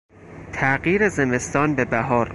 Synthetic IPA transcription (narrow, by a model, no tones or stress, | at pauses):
t̪ʰæɢiːɾeze̞me̞st̪ɒːnbe̞bæɦɒːɾ